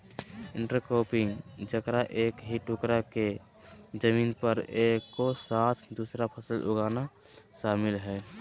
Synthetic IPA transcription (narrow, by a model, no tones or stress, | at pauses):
ɪɳʈəɾkoːpɪŋɡd͡ʒəkɾaʔeːkɦiʈukɾake | d͡ʒəmiːnpəɾeːkːosat̪ʰd̪uːsɾapʰəsəlʔʊ̰ɡaːna | ʃaːmɪlɦɛ